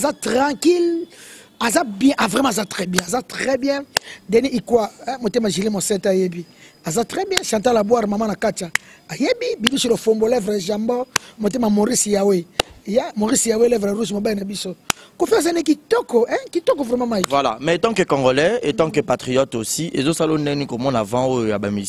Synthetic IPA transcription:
azatʁãkil | azabjɛ̃ʔavʁɛmãzatʁɛbjɛ̃azatʁɛbjɛ̃dɛniʔikwaɛ̃motemaʒiʁimosɛtajebiazatʁɛbjɛ̃ʃãtalabwaʁmamanakataajebibilisilofombolɛvʁeʒambɔmot̬emamoʁisijawejamoʁisijawelɛvʁʁus̬mobainabisokofiazanikitɔkɔɛ̃kitɔkɔvʁɛmãmaivvwala̰mɛetɑ̃kekõŋɡolɛetɑ̃kepatʁijɔtosiʔḛzosalonɛnikomɔnavãojojabamis

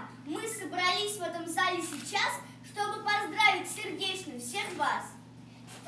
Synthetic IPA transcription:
mɨsəbɾɐlʲisʲvɛt̪əmzɐlʲisʲɪt͡ɕas | ʂt̪o̞bɨpɐzd̪ɾavʲɪtʲsʲɪrdʲet͡ɕnɨjʊfsʲe̞xvas

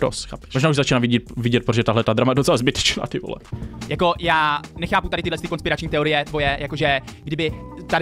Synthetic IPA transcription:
ɾo̰sxa̰ːpɛ̥oʒnaːuʒzat͡ʃinavɪɟɛt̪̚vɪɟɛt̪̚pɾoʒɛt̪aɦlɛt̪ad̪ɾamajɛdot͡sɛlazbɪt̪ɛ̥t͡ʃna̰ːt̪ɪvo̰lɛ̰jako̞jaːnɛxaːput̪adɪt̪ɪdlɛst̪ɪko̞nspɪɾat͡ʃɲiːt̪ɛo̞ɾɪjɛt̪vo̞jɛjako̞ʒɛɡdɪbɪt̪ad

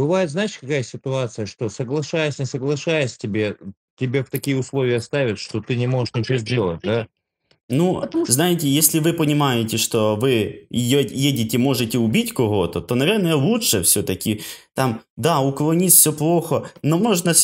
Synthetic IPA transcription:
bɨvajɪt̪znaɪʂkɐkajəsʲɪt̪ʊat̪sɨjəʂt̪o̞səɡlˠɐʂajəsʲnʲɪsəɡlˠɐʂajəsʲtʲɪbʲe | tʲɪbʲeft̪ɐkʲijəʊslˠo̞vʲɪjəst̪avʲɪt̪ʂt̪ot̪ɨnʲɪmo̞ʐɨʂnʲɪt͡ɕozʲdʲe̞lˠət̚ʲd̪a | nuznajɪtʲɪjesʲlʲɪvɨpənʲɪmajɪtʲɪʂt̪ovɨɪjojedʲɪtʲɪmo̞ʐɨtʲɪʊbʲitʲkʊɦo̞t̪ət̪onɐvʲe̞rnəjəlˠuʂəfsʲɵt̪ɐkʲɪt̪amd̪aʊklˠɐnʲit̪ʲfsʲoplˠo̞xənomo̞ʐnə

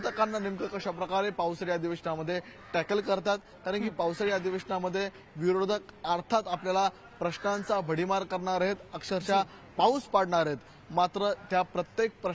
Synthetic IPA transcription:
t̪əkanːanimkəkəɕapɾəkaɾepawsəɾjad̪iʋəɕənaməd̪ʱːje | ʈækəlkəɾt̪at̪ | kaɾəɳkiːpawsəɭjad̪iʋeɕənaməd̪ʱːje | ʋiɾod̪ʱək̚əɾt̪ʰat̪apljala | pɾəɕnant͡sabʱəɽimaɾkəɾɳaɾɦet̪əkʂəɾt͡ɕa | pawspaɽɳaɾɦet̪ | mat̪ɾət̪japɾət̪jek̚pɾə

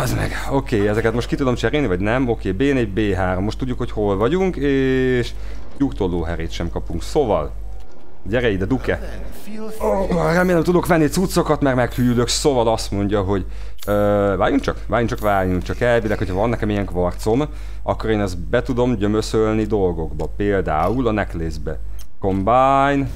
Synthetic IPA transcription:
ɛzmɛ̰ɡ | okeːɛzɛkɛt̪mo̞ʃt̪kit̪ud̪o̞mt͡ʃɛɾeːlnivɒɟnɛmo̞keːbeːɛnɛɟ̚beːɦaːɾomːo̞ʃt̪uɟːukho̞cho̞lvɒɟuŋkeːʃ | jukt̪olːoːɦɛɾeːt̪ʃɛmkɒpuŋksovɒ̰l | ɟɛɾɛjid̪ɛd̪ukɛ | rɛmːeːlːɛmt̪ud̪o̞kʋɛnːit̪sut̪sːo̞kɒt̪mɛrmɛkfyjyløksovɒlɒst̪mo̞ɲɟɒɦo̞ɟ | øːvaːjuŋkt͡ʃɒkvaːjuŋt͡ʃɒkʋaːjuŋkt͡ʃɒkɛlvilɛkhocʰhɒvɒnːɛkɛmijɛŋkʋɒrt̪so̞m | ɒ̰kːo̞ɾeːnɛzbɛt̪ud̪o̞mɟømøsølnid̪o̞lɡo̞ɡbɒpeːld̪aːulɒnɛkleːzbɛ̰ | ko̞mbajn

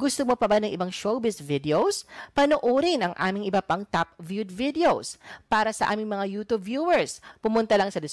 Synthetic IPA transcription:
ɡʊst̪omopɐbanɐŋʔɪbaŋʃowbɪsvɪd̪ɛowspɐnoʔoːɾɪnɐŋʔa̰ːmɪŋɪbɐpaŋt̪ap̚vjud̪vɪd̪ɛowspaːɾɐsɐʔa̰ːmɪŋmɐŋajuːt̪ubːjuːwɛɹspʊmʊnt̪ɐlɐŋsɐd̪ɪs

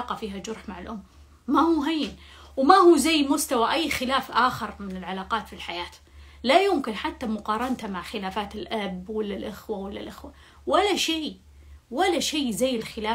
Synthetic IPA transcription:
qɑfiːɦad͡ʒʊɾˤħmaʕɪlʔʊmː | ahuɦajːɪnwmahuːzajːmʊst̪awaʔajːxɪlaːfʔaːxɪɾmɪnɪlʕalaːqɑːt̪filħajaːt̪ | lajʊmkɪnħat̪ːamʊqɑːɾˤɑnt̪amaʕxɪlaːfaːt̪ɪlʔabwalːalʔɪxwawalːalʔɪxwa | walːaʃiː | walːaʃeːzajːɪlxɪlaː

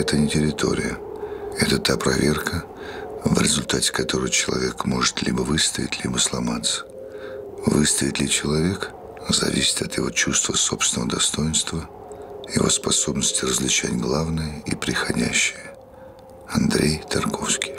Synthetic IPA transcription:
ɛt̪ənʲɪtʲɪɾʲɪt̪ʰo̞̰ɾʲɪ̰jə | ɛt̪ət̪apɾɐvʲe̞rkʰə | vɾʲɪ̰zʊlʲt̪atʲɪ̥kɐt̪o̞ɾɨjt͡ɕɪlˠɐ̰vʲekmo̞ʐɨ̥t̪lʲibəvɨst̪əvʲɪ̰t̪ʲlʲibəslˠɐmat̪sə̥ | vɨst̪əɪt̪ʲlʲɪt͡ɕɪlˠɐvʲe̞k | zɐ̰vʲisʲɪ̥t̪ɐt̪jɪvo̞t͡ɕust̪vəsopsvʲɪnəvəd̪ɐst̪o̞jɪnst̪və | jɪ̰vo̞̰spɐso̞bnəsʲtʲɪrəzlʲɪt͡ɕætʲɡlˠavnəjəipɾʲɪxɐdʲæ̰ɕːɪjə | ɐnd̪ɾʲʔejt̪ɐrko̞fskʲɪ̥j

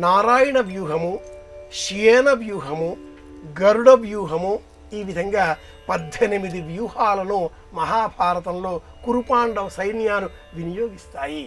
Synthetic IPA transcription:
naːɾaːjɐɳɐʋjuːɦɐmuʃijeːnɐʋjuːɦɐmu | ɡɐɾuɽɐʋjuːɦɐmu | iːʋid̪ʱɐŋɡaː | pɐd̪ʱenimid̪iʋjuːɦaːlɐnoː | mɐɦaːbʱaːɾɐt̪ɐmlo̞ː | kuɾupaːɳɖɐʋɐsɐjnjaːnu | ʋinijoːɡist̪aːji

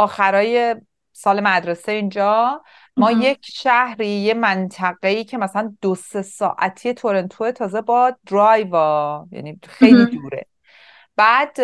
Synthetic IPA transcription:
ɒːxæɾɒːje̞ | sɒːle̞mæd̪ɾe̞seind͡ʒɒː | mɒːje̞cʰʃæhɾiːjemænt̪ʰæɣe̞iːcʰe̞mæsælænd̪̥ose̞sɒ̰ːʔæt̪ʰije̞t̪ʰoɾe̞nt̪ʰoet̪ʰɒːze̞bɒd̪ɾɒjvɒjæ̰nixejlid̪uːɾe̞̰ | b̥æːd̪̥

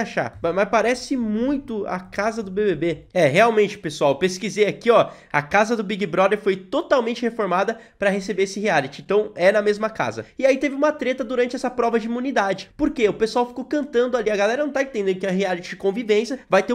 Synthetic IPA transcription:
aʃa̰amaspaɾɛsɪmũj̃t̪ʊa̰kazɐd̪ʊbebebeɛɦeawmẽnt͡ʃɪ̥pesuawpeskizeakiɔ | ɐ̰kazɐd̪ʊbiɡibɾɔd̪eɾfojt̪ot̪awmẽnt͡ʃɪhefoɾmad̪ɐ | pɾɐɦesebeesɪhealit͡ʃɪẽnt̪ɐ̃w̃ɛnɐmezmɐka̰zɐɪait̪evɪũmɐt̪ɾet̪ɐd̪uɾɐ̃nt͡ʃɪɛsɐpɾɔvɐd͡ʒɪimũnid̪ad͡ʒɪpoɾkeʊpesuawfi̥kowkɐ̃nt̪ɐ̃nd̪ʊaliɐɡalɛɾɐnɐ̃w̃t̪aẽt̪ẽd̪ẽkɛ̃ɦealit͡ʃɪd͡ʒɪkõvivẽsjɐvajt̪e

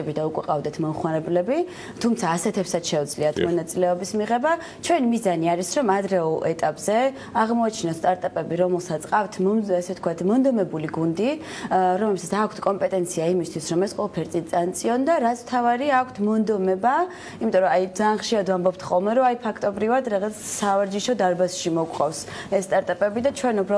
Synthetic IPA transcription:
ɛbid̪aukʼwɛqʼavd̪ɛt̪ʰmɔmχwanɛblɛbi | t̪ʰumt̪sʰaːsɛt̪ʰɛpsat̪ʃɛud̪zliat̪ʰmɔnat̪sʼilɛɔbismiʁɛba | t͡ʃʰwɛnmizaniaɾisɾɔmad̪ɾɛɔlˠɛt̪ʼapʼz̥ɛ | aʁmɔat͡ʃʰnɔnst̪ʼaɾt̪ʼapʼɛbiɾɔmɛlˠsat̪sʰʼqʼaft̪ʰmasɛt̪̚ʰkʰwat̪ʰmɔnd̪ɔmɛbuliɡund̪i | ɾɔmlɛbsat̪sʰakʷʰt̪ʰkʼɔmpʼɛt̪ʼɛnt̪sʰiaimist̪ʰwisɾɔmɛsqʼwɔlˠapʰɛɾt̪sʼit̪ʼant̪sʼiɔnd̪aɾat̪sʰmt̪ʰavaɾiakʷʰt̪ʰmɔnd̪ɔmɛba | imit̪ʼɔɾɔajd̪zaːnχʃiɾad̪vambɔb̚t̪ʰχɔlˠmɛɾɔajpʰakʰt̪ʼɔbɾivad̪ɾaʁat̪ssavaɾd͡ʒiʃɔd̪aɾbasʃimɔkʷʼqʼɔfsɛsːt̪ʼaɾt̪ʼapʼɛbid̪at͡ʃʰwɛnubɾa

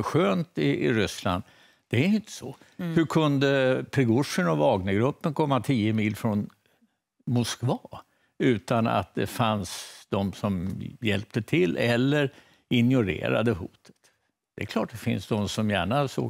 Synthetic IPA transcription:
ɧøːnt̪ɪːɾʏsla̰nd̪ | d̪̥ɛæɾɪnt̪ə̥sɔhɵkʰɵnd̪əpʰɾɛɡʊʂənɔvɑːɡnaɡɾɵpːənkʰɔmːat̪ʰiːəmiːlfɾɔn | mʊskvɑː | ʉ̟ːt̪ana̰t̪̚d̪ɛ̰fansd̪̥ɔmsɔmjɛlp̚t̪ət̪ʰɪlːʔɛlːəɾ | ɪnjʊɾḛːɾa̰d̪əɦuːt̪ʰə̥t̪ | d̪̥ɛɛkʰlɑːʈ̚d̪ɛfɪ̰nsd̪ɔmsɔmjæːɳaso̰ː

